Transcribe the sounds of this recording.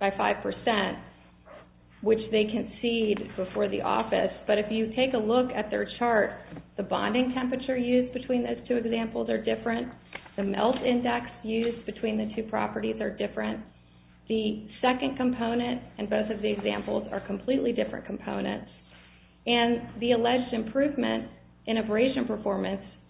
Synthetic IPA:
b̥aɪfaɪv̥pʰə˞sɛ̃nt̚ | wɨt͡ʃðeɪkʰɨ̃nsid̚bəfɔɹðḭʔɔ̰fɨ̰sb̥ʌɾɨfjɨtʰeɪkəlʊkɨt̪̚ðə̰˞t͡ʃʰɑɹt̪̚ðəbɑ̰̃ndɪ̃ŋtʰɛ̃mpɹɨt͡ʃə˞jʉzbɨtʰw̥ĩnðoʊz̥tʰʉɨɡzæ̃mpl̩ˠzə˞dɪfɹɨ̃nðɨmɛ̰lˠtɪ̃ndɛksjʉzbɨtʰw̥ĩnðɨtʰʉpʰɹ̥ɑ̰pə˞ɾizə˞dɪfɹɨ̃n | ðɨsɛkɨ̃nkʰə̃mpʰõʊ̃nɨ̃ntɨ̃nboʊθʌvðiɨɡzæ̰̃mpl̩ˠzə̰˞kʰm̩pʰl̥iʔlidɪfɹɨ̰̃nkʰm̩pʰõʊ̃nɨ̰̃nts | ɨ̃nðiɨlɛd͡ʒdɨ̃mpʰɹ̥ʉvmɨ̰̃nt | ʔɨ̃ñəbə˞eɪʃɨ̃npʰə˞fɔɹmɨ̃ns

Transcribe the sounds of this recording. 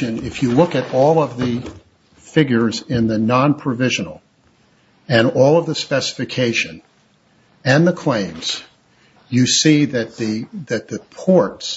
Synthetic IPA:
ɨ̃nɪfjɨlʊkɨɾɔlˠʌvðɨ | fɪɡjə˞zɪ̃nðɨnɑ̃npʰɹ̥ɨvɪʒɨ̃nl̩ˠ | ɨ̃nɔlˠʌvðɨspɛsə̥fɨkʰeɪʃɨ̃n | ɨ̃nðəkʰl̥ẽɪ̃mz̥ | jɨsiðɨt̪̚ðɨðɨt̪̚ðɨpʰɔɹts

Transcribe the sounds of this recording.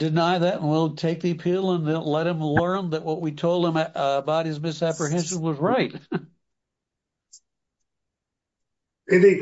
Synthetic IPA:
d̥ɨnaɪðɨɾ̃n̩wilˠtʰeɪk̚ðiɨpʰilˠə̃ñnlɛt̚hɨ̃mlɜ̃˞nðɨʔ̚wʌʔ̚witʰoʊlˠd̚ə̃məbaʊt̚ɨzmɪsæpɹɨɦɛ̃nʃɨ̃nwʌzɹaɪt̚ | ɨ̃ni

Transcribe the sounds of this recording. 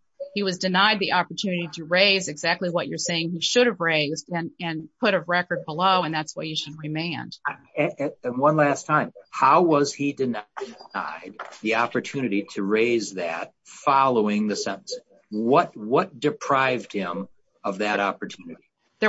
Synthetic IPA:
hiwʌzdɨnaɪd̪̚ðiʔɑpə˞tʰʉnɨɾiɾɨɹeɪzɨɡzæk̚tˡliwʌt͡ʃə˞seɪɪ̃ŋiʃʊɾɨvɹeɪzdɨ̃nɨ̃npʰʊɾɨɹɛkə˞d̚bəloʊɨ̃nðætswajɨʃɨd̚ɹɨmẽɪ̃n | ɨ̃nwʌ̃nlæstʰãɪ̃mhaʊwʌz̥idɨna̰ɪd̪̚ðiɑpə˞tʰʉnɨɾiɾɨɹeɪzðɨ̰t̚fɑlˠoʊɪ̃ŋðɨsɛ̃ɾ̃n̩s | wʌt̚wʌt̚d̥ɨpʰɹ̥aɪvd̚hɪ̃m | ʌvðɨɾɑpə˞tʰʉnɨɾi | ðə

